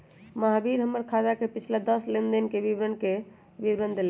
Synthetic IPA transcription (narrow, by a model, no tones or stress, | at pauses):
məɦabiɾɦəmːəɾkʰad͡ʒakepit͡ʃʰlad̪əslend̪inkebibɾənke | bibɾənd̪el